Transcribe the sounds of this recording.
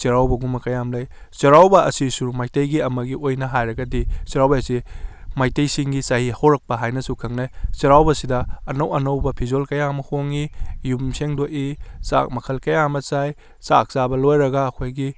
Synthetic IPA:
siɾawbɐɡumɐkɐjamlɐj | sɐɾawbɐʔɐ̰sisumajtejɡiɐmɐɡiojnɐɦajɾɐɡɐdisiɾawbɐɐsimajtejsiŋɡisɐhihawɾɐk̚pɐɦajnɐsukʰɐŋnajsɐɾawbɐsidɐɐnɐwɐnɐwbɐpʰizolkɐjamɐhoŋijumseŋdoʔisa̰k̚mɐkʰɐlkɐjamɐsaj | sa̰k̚sabɐlojɾɐɡɐːkʰojɡi

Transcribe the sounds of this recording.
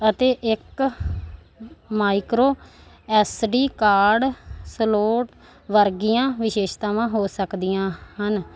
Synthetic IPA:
ət̪eːʔɪk | maːɪkɾoː | ɛːsɖiːkaːɾɖsəloːʈ | ʋəɾɡijãːʋɪʃeːʃt̪ãːʋãːɦoːsəkd̪ijãːɦən

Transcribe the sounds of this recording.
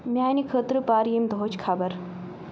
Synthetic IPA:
mʲjaːnikʰət̪ɾɨpaːɾjimd̪ʱoːt͡ʃkʰabɐɾ

